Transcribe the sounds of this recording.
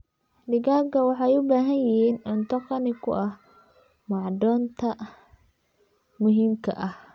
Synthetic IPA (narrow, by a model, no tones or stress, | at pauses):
dɪɡaːɡɐwɑħɑjʊbaːɦɐnjɪhiːnʊnt̪ʰɐqɑnɪkʰʊ̰ʔɐh | mɑʕd̪ɔːnt̪ʰɐ | mʊɦiːmkʰɐ̰ʔɐh